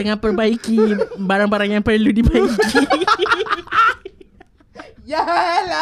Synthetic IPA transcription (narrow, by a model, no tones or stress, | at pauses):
əŋãnpərbaikibaɾaŋbaɾaŋjaŋpərludibaiki | jal